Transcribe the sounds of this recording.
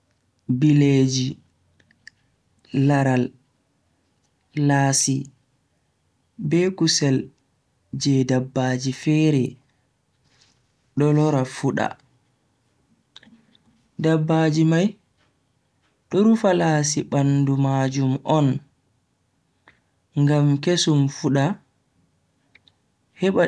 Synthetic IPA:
biled͡ʒi | laɾal | aːsi | bɛkusɛl | d͡ʒɛdabːaːd͡ʒifɛːɾɛ | ɗɔlɔɾafuɗa̰ | dabːaːd͡ʒimaj | ɗɔɾufalaːs̬iɓandumaːd͡ʒumʔɔn | ŋɡamkesumfuɗa | hɛɓa

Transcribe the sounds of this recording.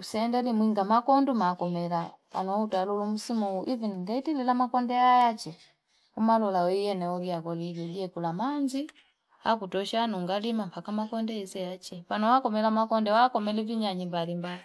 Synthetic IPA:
usɛndɛlimwiŋɡamakɔndumakɔmɛlapa̰nɔutalulum̩simuuʔiviniŋɡaitililamakɔndɛajat͡ʃɛ | umalɔlawijɛnɛɔliakɔlilɔɡiɛkulamand͡ʒi | a̰kutɔʃanuŋɡalimampʰakamakɔndɛizɛjat͡ʃɛpanɔwakɔmɛlamakɔndɛwakɔmɛliviɲaɲimbalimbai

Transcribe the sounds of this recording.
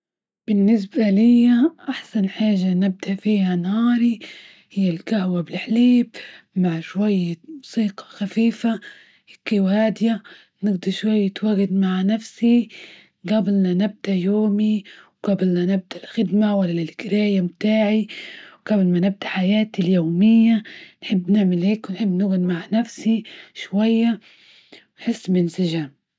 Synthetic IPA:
b̥ɪnːɪs̬balɪjːaʔaħsanħaːʒanɪb̚d̪aʔfiːhanhɑːɾi | hɪjːalkahwabɪlħliːb | maʕʃwajːamʊsˤiːqɑ̥xafiːfa | ɪkːiwhaːd̪ja | nɪɡd̪ɑɾʃwajːɪt̪waɡɪd̪maʕnafsi | ɡabɪlnanɪb̚d̪ajoːmiwɡ̥abɪlnanɪb̚d̪alxɪd̪mawalːalɪlɡɪɾaːjamt̪aːʕiwɡablmanɪb̚d̪aħajaːt̪iljoːmɪjːanħɪbːnɪʕmɪlheːkwɪnħɪbːnaɡʊd̪maʕnafsiʃwajːa | nħɪsːbɪnsɪʒam

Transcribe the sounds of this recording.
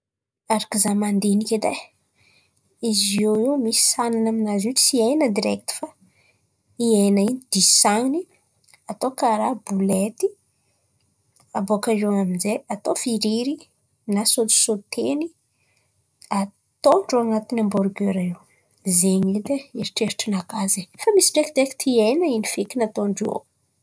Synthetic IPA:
aɾakizamand̪enikʲed̪e | izieiwmisi̥sananaminaziʈ͡ʂsiajnəd̪iɾɛk̚t̪u̥fa | iajnainid̪̥isaŋni | at̪okaɾabulet̪i | abokaʒoaminzeat̪ofiɾiɾi | nasot̪i̥sot̪ʰeni | a | t̪oɳɖ͡ʐoaŋat̪inambɔɾɡøɾaiw | zeɲled̪eeɾiʈ͡ʂeɾiʈ͡ʂinakazefamisiɖ͡ʐekd̪ɾɛki̥t̪ʰiejnainifikinat̪oɳɖ͡ʐo̰

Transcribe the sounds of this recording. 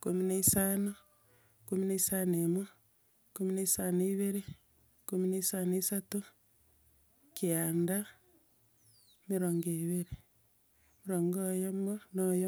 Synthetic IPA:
komineisano | komineisanemwe | komineisaneiβeɾe | komineisaneisatu | kianda | miɾoŋɡeβeɾe | miɾoːŋɡojomonojo

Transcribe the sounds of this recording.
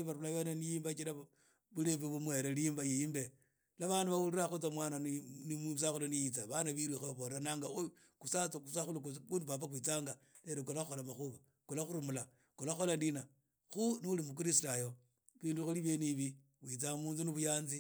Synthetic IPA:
βaɾulaβenenijiːmbat͡ʃiɾa | βulefuβumwe̞ɾelimbajijimbe | laβanduβauliɾaxut͡samwaːnaninimus̬axulanijit͡saβanaβiɾixoβoɾeɾanaːŋɡau | kusat͡skusaxulukkundupapakwit͡saːŋɡa | neɾekolaxuxolamaxuβa | kulaxuɾumula | kulaxolandina | xuniulimuk̬iɾisitajo | βiːnduxuliβjeniβi | kwit͡samuːnzuniβujaːnzi

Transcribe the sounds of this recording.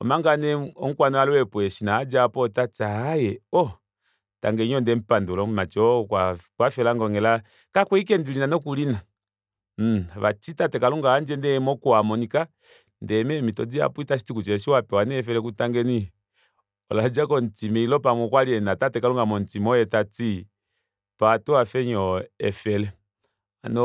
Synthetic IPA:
ɔ̰maŋɡanɛɔŋ̩kwanɔalɛwɛpuɛʃinaːd͡ʒapɔtat͡saːjɛɔ | ta̰ŋɡɛɲɔndɛm̩pandulɔmat͡ʃɔkwakwafɛlaŋɡɔŋɡɛla | kakwɛikɛndilinanɔkulina | βa̰t͡ʃitatɛkaluŋɡaand͡ʒɛndɛmɔkɔamɔnika | ndɛmɛmitɔd͡zia̰puitas̬i̥tikut͡ʃɛʃiwapɛwanɛɛfɛlɛkutaŋɡɛni | ɔ̰lad͡ʒakɔntimɛilɔpamɔkwaliɛnatatɛkaluŋɡamɔntimɔjɛtati | patɔafɛɲɔɛfɛlɛ | anɔ

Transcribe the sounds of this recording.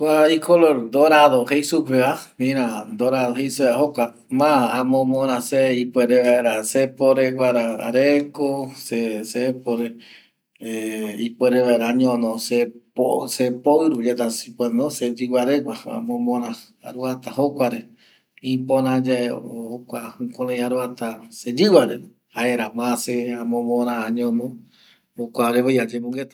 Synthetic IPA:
kʷaikʰoloɾd̪oɾaðohejsupeamĩɾãd̪oɾaðoɦejsueaɦokʷa | mãamõmõɾãseipweɾeβaeɾasepoɾewʷaɾaa̰ɾeŋkosesepoɾe | ipʷeɾeʋaeɾaɲõnõseposepoɨɾud͡ʒet̪asipwenosed͡ʒɨwaɾekʷaa̰mõmõɾã | a̰ɾuat̪ahokʷaɾe | ĩpõɾãd͡ʒaeohokʷahɨ̃kõlẽjaɾuat̪ased͡ʒɨwaɾe | haeɾamãseamõmõɾãaɲõnõ | hokʷaɾeβajad͡ʒemũŋɡet̪ḁ

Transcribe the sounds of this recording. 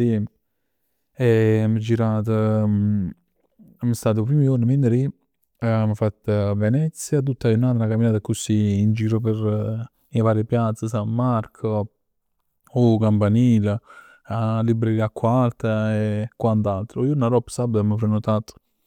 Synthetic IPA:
i | ɛməd͡ʒiɾaːt̪̬ə | məst̪aːt̪pɾimioɾnəmenəɾi | məfat̪ːavɛnɛt̪sjat̪̬ut̪ːajunaːt̪nakamːinaːt̪akusiːnd͡ʒiːɾopeɾ | ivaːɾjəpjat̪sːəs̬amːaɾkʰo | okampaniːla | alibɾeɾiːakːalt̪aekːwant̪alt̪ɾoionaɾɔpːsabamːəpɾenot̪aːt̪ə̥

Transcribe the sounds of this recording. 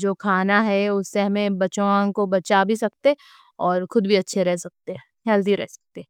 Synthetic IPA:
d͡ʒoːkʰaːnaɦɛʊsːeɦɐmẽbɐt͡ʃoãkobɐt͡ʃabʱisɐkt̪e | ɔːɾxʊd̪bʱiɐtːʃʰeɾɛɦsɐk̚t̪eɦɛ | ɦɛlt̪iɾɛ̰ɦsɐ̥k̚t̪eɛ

